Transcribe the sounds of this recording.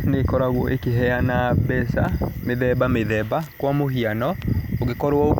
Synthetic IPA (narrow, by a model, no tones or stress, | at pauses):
nekɔɾaɣwɔʔekeɦɛjanabɛsameðɛbameðɛbakwamoɦianɔoɣekɔɾoɔ